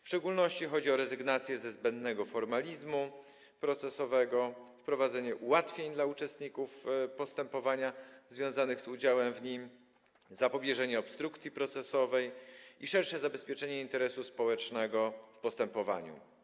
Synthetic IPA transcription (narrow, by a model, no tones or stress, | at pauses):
fʂt͡ʂɛɡulnɔɕt͡ɕixɔd͡ʑiɔɾɛzɘɡnat̪sʲjɛzɛzbɛnd̪nɛɡɔfɔɾmalʲizmu | pɾɔt̪sɛsɔvɛɡɔfpɾɔvad̪zɛɲɛʔuwat̪fʲjeɲd̪laut͡ʂɛst̪ɲikufpɔst̪ɛmpɔvaɲazvʲjɔ̃w̃zanɘɣzud͡ʑawɛmvɲim | zapɔbʲjɛʐɛɲɛɔpst̪ɾukt̪sʲjipɾɔt̪sɛsɔvɛjiʂɛɾʂɛzabɛspʲjɛt͡ʂɛɲɛint̪ɛɾɛsuspɔwɛt͡ʂnɛɡɔfpɔst̪ɛmpɔva̰ɲṵ